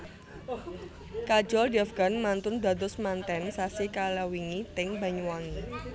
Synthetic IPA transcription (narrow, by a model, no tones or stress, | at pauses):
kḁd͡ʒɔldɛfɡ̥a̤nmant̪ʊnba̤d̪ʊsmant̪ɛnsasikalawiŋit̪ɪŋba̤ɲuwaŋi